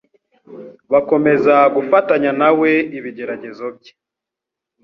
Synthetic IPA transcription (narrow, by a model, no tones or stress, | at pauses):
βako̞me̞zaɡufataɲanawe̞iβiɟe̞ɾaɟe̞zo̞b̚je